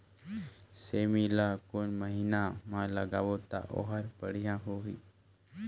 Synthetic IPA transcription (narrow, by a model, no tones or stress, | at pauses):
seːmiːlaːkonməɦiːnamãːləɡa̰ːʋoːt̪a̰ʔo̰ːɦəɾpəɽjãːɦoːʋiː